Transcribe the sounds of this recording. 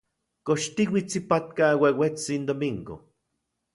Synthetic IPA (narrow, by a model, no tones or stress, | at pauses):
koʃt̪iwit͡sipat̪kawewet͡sind̪omiŋɡo̰